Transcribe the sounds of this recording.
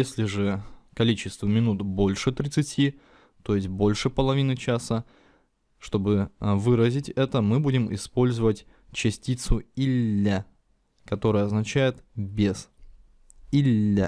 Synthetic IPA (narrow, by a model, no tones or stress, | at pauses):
jesʲlʲɪʐɨkɐlʲit͡ɕɪst̪vəmʲɪnut̪bo̞lʲʂɨt̪ɾʲɪt̪sɨtʲi | t̪o̞jɪsʲt̚ʲbo̞lʲʂɨpəlˠɐvʲinɨt͡ɕasə | ʂt̪o̞bɨvɨɾəzʲɪtʲɛt̪əmɨbudʲɪmɪ̰spo̞lʲzəvətʲ | t͡ɕɪsʲtʲit̪sʊilʲːə | kɐt̪o̞ɾəjəɐznɐt͡ɕæjɪt̪bʲez̥ | ilʲːə